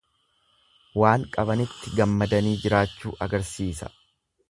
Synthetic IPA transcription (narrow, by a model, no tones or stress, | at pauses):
waːŋkʼɐbɐnɪt̪ːɪɡɐmːɐd̪ɐniːd͡ʒɪɾaːt͡ʃːuːʔɐɡɐɾsiːsɐ̰